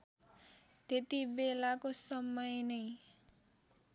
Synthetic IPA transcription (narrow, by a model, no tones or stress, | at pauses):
t̪et̪ibelakosʌmʌjnʌj